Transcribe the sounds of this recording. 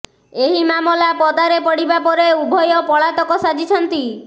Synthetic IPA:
eɦimamɔlapɔd̪aɾepɔɽibapɔɾeubʱɔjɔpɔɭat̪ɔkɔsad͡ʒʱit͡ʃʰɔnt̪i

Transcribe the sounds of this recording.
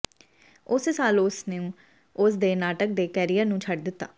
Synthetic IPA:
ʊssaːlʊsnẽũː | ʊsd̪eːnaːʈək̚d̪eːkɛːɾijəɾnũːt͡ʃʰəɖd̪ɪt̪ːa̰ː

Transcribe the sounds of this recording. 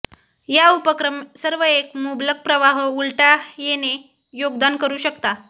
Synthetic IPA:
jaupəkɾəmsəɾʋəekmublək̚pɾəʋaɦulʈajene | joɡd̪ankəɾuːɕəkt̪a

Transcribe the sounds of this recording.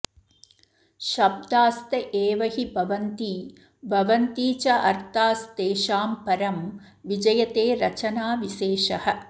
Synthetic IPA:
ʃɐb̚d̪aːst̪ɐʔeːʋɐɦibʱɐʋɐnt̪iː | bʱɐʋɐnt̪iːt͡ʃɐʔɐ̰ɾt̪aːst̪eːʃaːmpɐɾɐm | ʋid͡ʒɐjɐt̪eːɾɐt͡ʃɐnaːʋiʃeːʃɐhɐ̆

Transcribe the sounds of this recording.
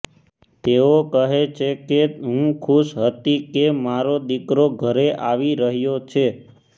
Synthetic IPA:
t̪eokəɦet͡ʃʰekeɦũkʰuʃɦət̪ikemaɾod̪ikɾoɡʱəɾeʔaʋiɾəɦjot͡ʃʰe

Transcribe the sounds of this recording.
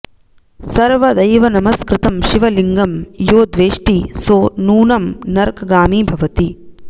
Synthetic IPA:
sɐɾʋɐd̪ɐjʋɐnɐmɐskɾɪt̪ɐmʃiʋɐliŋɡɐmjoːd̪ʋeːʂʈisoːnuːnɐmnɐɾkɡaːmiːbʱɐʋɐt̪i

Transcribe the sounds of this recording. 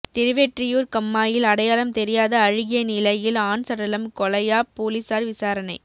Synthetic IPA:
t̪ɪɾɯʋɛʈrɪjoːɾkɐmːaːjɪlɐɽɐjaːlɐmt̪ɛɾɪjaːðɐːɻɪɣɪjɐnɪlɐjɪlaːnsɐɽɐlɐmkɔlɐjaːpoːlɪsaːɾʋɪsaːɾɐnɐɪ

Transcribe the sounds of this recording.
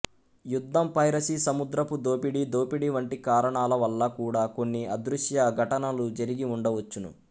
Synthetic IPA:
jud̪ʱːɐmpɐjɾɐsisɐmud̪ɾɐpud̪oːpiɽid̪oːpiɽiʋɐɳʈikaːɾɐɳaːlɐʋɐlːɐkuːɽaːko̞nːiʔɐd̪ɾuʂjɐɡʱɐʈɐnɐlud͡ʒɐɾiɡiuɳɖɐʋɐt͡ʃːunṵ

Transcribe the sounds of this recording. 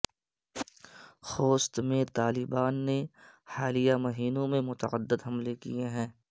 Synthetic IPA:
xoːst̪mẽt̪aːlɪbaːnːehaːlijamɐɦiːnõmẽmʊt̪ə̰əd̪ːəd̪ɦɐmlekijeɦɛ̃ː

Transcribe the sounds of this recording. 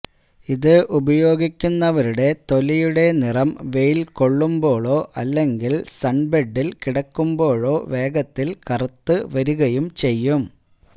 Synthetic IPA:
iðɨʔubɐjo̞ːɡikʲːunːɐʋɐɾuɽe̞t̪o̞lijuɽe̞nirɐmʋe̞jilko̞ɭːumbo̞ːɭo̞ːʔɐlːe̞ŋɡilsɐɳbeɖːilkiɽɐkːumbo̞ːɻo̞ːʋe̞ːɡɐt̪ːilkɐrɐt̪ːɨʋɐɾuɣɐjumt͡ɕe̞jːum

